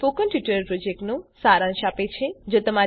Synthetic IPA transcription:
fokənʈiʈəɾəɾpɾod͡ʒek̚ʈnũsaɾãnʃapet͡ʃʰed͡ʒot̪əma

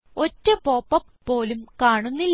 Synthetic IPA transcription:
o̞tːɐpo̞ːpːɐmːo̞ːlumkaːɳunːilː

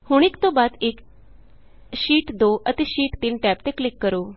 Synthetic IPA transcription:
huɽ̃ikt̪obat̪ek | ɕiːʈd̪oʔət̪eɕiːʈt̪iːnʈɛpt̪eklikːəɾo

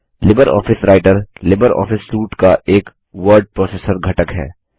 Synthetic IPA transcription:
lɪbəɾɔ̰ːfɪsɾaːɪʈəɾlɪbəɾɔ̰ːfɪsluːʈkaʔeːk | ʋəɾɖ̚pɾɔːseːsəɾɡʱɐʈəkɦɛ̰ː

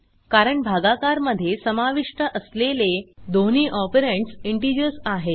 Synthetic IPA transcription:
kaɾəɳbʱaɡakaɾməd̪ʱːjesəmaʋiʂʈəʔəsleled̪oniːʔɔpeɾeɳʈsiɳʈid͡ʑəsaɦe

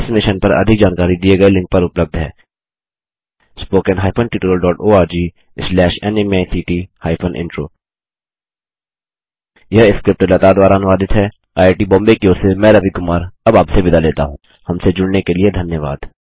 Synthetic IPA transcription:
ɪsmɪʃənpɐɾɐ̰d̪ʱɪk̚d͡ʒaːnkaːɾid̪ieɡɐelɪ̃ŋk̚pɐɾʊpləb̚d̪ʱɦɛ̰ː | spoːkɛnɦaːɪpʰənʈɪʈuɾəlɖɔːʈoːaːɾd͡ʒiː | slɛːʃɛnemaːsiːʈihaːɪpʰənʔɪ̰̃ɳʈɾoː | jɐɦɪskɾɪp̚ʈəlɐt̪ad̪ʋaːɾaɐnɪʋaːd̪ɪt̪ɦɛː | aːeːʈiːbɔ̃ːmbekioːɾsemɛ̃ːɾəbikʊmaːɾɐbaːpsebɪd̪ʱaleːt̪a̰ɦũː | hɐmsed͡ʒʊɽnekelied̪ʱɐnjəʋa̰ːd̪

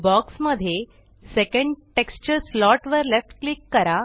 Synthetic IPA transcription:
bɔksməd̪ʱːje | sekə̃ɳɖʈekst͡ɕəɾslɔʈʋəɾlefʈklikːəɾa

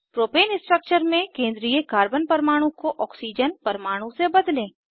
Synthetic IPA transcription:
pɾoːpeːnɪ̃sʈɾək̚t͡ʃəɾmẽkẽːnd̪ɾiːjəkaːɾbənpɐɾmaːɽ̃ũkoʔɔːksid͡ʒənpɐɾmaːɽ̃ũsebɐd̪lẽː

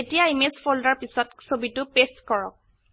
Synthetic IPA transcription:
etijaimespʰoldaɹpisɔtsobitʊpestkɔɹɔ̰k̚

